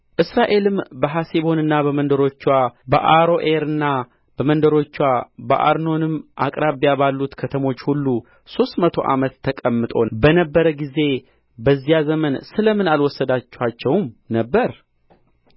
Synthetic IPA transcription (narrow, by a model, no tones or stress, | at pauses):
ʔɨsɾaʔe̞lɨmbəɦaseβo̞nɨnːabəmənd̪əɾo̞t͡ʃːwabə̰ʔaɾo̞ʔeɾɨnːa | b̥əmənd̪əɾo̞t͡ʃːwabəʔa̰ɾno̞nɨmʔa̰kʼɾaβjabalːut̪kʰət̪ʰəmo̞t͡ʃːhulːu | so̞st̪mət̪ʰo̞̰ʔa̰mət̪ʰːəkʼəmːɨt̪ʼo̞bənəbːəɾəɡize̞ | bəzːijazəmənsɨləmɨnalwɔsːəd̪at͡ʃːɛwat͡ʃːɛwmnəbːəɾ